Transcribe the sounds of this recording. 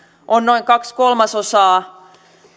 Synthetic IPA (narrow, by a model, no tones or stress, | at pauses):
ʔonnoiŋkɑkskolmɑsosɑː